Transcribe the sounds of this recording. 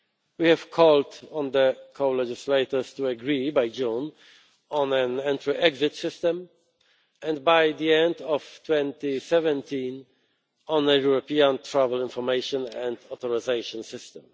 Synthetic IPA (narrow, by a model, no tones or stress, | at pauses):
wihɛv̥kʰɔldɔ̃nd̪əkʰoʊlɛd͡ʒɪsleɪt̪ɔ˞stuaɡɹibajd͡ʒũn | ɔ̃nɛ̃nɛ̃ntʰɹɔʔɛɡzɪt̪sɪstɛ̃m | ɛ̃ndbajd̪iɛ̃nd̪ɔft̪ʰwɛ̃ntisɛvɛ̃ntʰĩn | ɔ̃nəjuɹɔpiãntʰɹavɛlɪ̃nfɔɹmeɪʃɔ̃nɛ̃ndɔt̪ɔɹɪzeɪʃɔ̃nsɪstɛ̃m